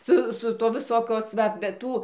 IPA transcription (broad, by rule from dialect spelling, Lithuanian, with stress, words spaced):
ˈsʊ sʊ ˈtuɔ ʋʲɪˈsoːkʲoːs ˈʋɐ bʲɛ ˈtuː